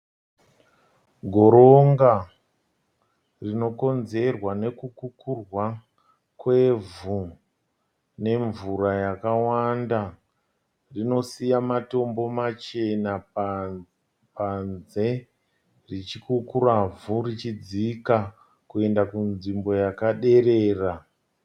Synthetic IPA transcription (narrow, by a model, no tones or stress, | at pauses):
ɡʱo̞ɾo̞ŋɡa | rino̞ko̞nze̞rwane̞kukukurwa | kwe̞vu | ne̞ɱvuɾajakawanda | rino̞sijamato̞mbo̞mat͡ʃe̞na | panze̞ | rit͡ʃikukuɾavurit͡ʃid͡zika | kue̞ndakunʐimbo̞jakaɗe̞reːra